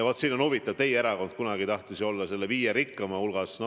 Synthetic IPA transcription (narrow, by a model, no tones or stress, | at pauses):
vo̞t̪siːno̞nhuvit̪ːˑɑvt̪e̞jeɾɑko̞nd̪̥̚kunɑɡ̥it̪ɑht̪isio̞lːɑse̞lːeviːjeɾikːɑmɑulɡ̥ɑsn